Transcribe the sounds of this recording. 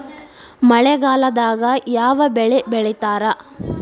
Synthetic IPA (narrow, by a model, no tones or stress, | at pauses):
mɐɭɛɡaːlɐd̪aːɡɐjaːʋɐbɛɭɛbɛɭɛt̪aːɾɐ